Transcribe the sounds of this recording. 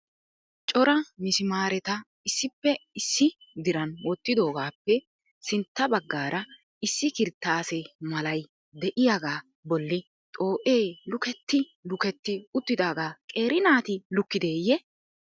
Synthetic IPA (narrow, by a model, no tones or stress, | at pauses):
t͡ʃʼɔɾɐmɪsɪmaːɾɛt̪ɐ | ɪsːɪpːɛɪsːɪd̪ɪɾɐnwɔt̪ːɪd̪o̞ːɡaːpːɛ | sɪnt̪ːɐbɐɡːaːɾʔɐ | ɪsːɪkɪɾt̪ːaːsɛmɐlɐj | d̪ɛʔɪjaːɡaː | bɔlːɪ | t̪ʼo̞ːʔe̞ːlʊkɛt̪ːɪ | lʊkɛt̪ːɪʊt̪ːɪd̪aːɡaːkʼe̞ːɾɪnaːt̪ɪlʊkːɪd̪e̞ːjɛ